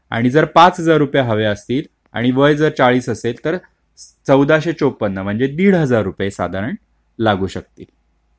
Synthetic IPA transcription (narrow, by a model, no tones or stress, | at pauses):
a̰ɽ̃id͡zəɾpat͡sɦəd͡zaɾːupjaɦəʋeəst̪iːl | a̰ɽ̃iʋəjd͡zəɾt͡saɭiːsəselt̪əɾ | t͡səwd̪aɕet͡sopːənːəm̤əɳd͡zed̪iːɽɦəd͡zaɾːupjesa̰d̪ʱaɾəɳ | laɡuːɕək̚t̪ḭːl